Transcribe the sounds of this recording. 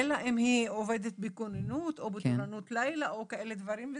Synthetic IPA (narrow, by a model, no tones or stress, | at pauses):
elaʔimhioved̪et̪̚bikonenut̪obetonanut̪lajlaʔokaʔe̞led̪vaʁimve